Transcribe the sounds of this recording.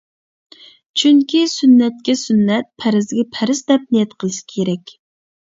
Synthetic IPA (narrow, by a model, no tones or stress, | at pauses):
t͡ʃʰyŋkʲʰisynːɛt̪̚kʲɛsynːɛt̪̚pʰæɾɪzɡʲɛpʰæɾɪsd̪ɛp̚nɪjɛt̪qʰəlˠɨʃi̥kʲʰeɾɛkʲ